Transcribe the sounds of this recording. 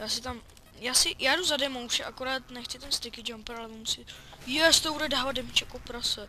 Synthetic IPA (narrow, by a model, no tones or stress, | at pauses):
jaːsɪt̪am | jaːsɪjaːduzadɛmowʃɛʔakoɾaːt̪nɛxt͡sɪt̪ɛmst̪ɪkɪd͡ʒampɛɾalɛvomusɪjɛst̪obudɛdaːvad̪̚dɛmt͡ʃɛkopɾasɛ